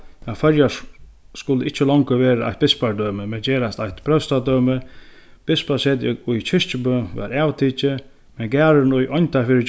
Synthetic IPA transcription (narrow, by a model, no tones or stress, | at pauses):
afœɾja | skʊlːəɪt͡ʃːəlɔŋkəʋeːɾʔa̰ht̪̚bɪspaɾd̪œːməmɛd͡ʑeːɾast̪ajt̪pʰɾœst̪ad̪œːmə | b̥ɪspaseːt̪ʊjt͡ɕʰɪʂt͡ʃəpəʋa̰ɾæːwt̪ʰiːt͡ʃə | mɛnɡæːɾənʊjʔɔjɲt̪afɪːɾə